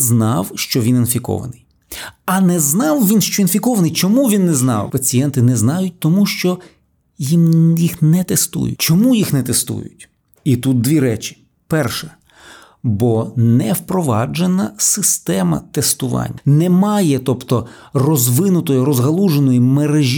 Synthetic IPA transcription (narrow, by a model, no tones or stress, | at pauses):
znɑwʃt͡ʃɔʋʲininfʲikɔ̰ʋɐ̰nɪj | ɐnɛznɑwʋʲinʃt͡ʃɔinfʲikɔʋɐnɨjt͡ʃɔmuʋʲinːɛznɑ̰wpɐt͡sʲijɛnt̪ɪnɛznɑjʊt̚ʲt̪ɔmuʃt͡ʃɔ | jimjixnɛt̪est̪ṵjʊ̰t͡ʃɔmujixnɛt̪est̪ṵjʊ̰tʲ | it̪ut̪̚d̪ʋʲiɾɛt͡ʃi̥ | pɛrʃɛ | bɔnɛwpɾɔʋɑ̰d͡ʒenɐsɪst̪ɛmɐ̰t̪est̪ʊʋɑ̰nʲːɐnɛmɑjɛt̪ɔpt̪ɔ | rɔzʋɪnʊt̪ɔjʊɾɔzɦɐlˠuʒenɔjimeɾeʒʲ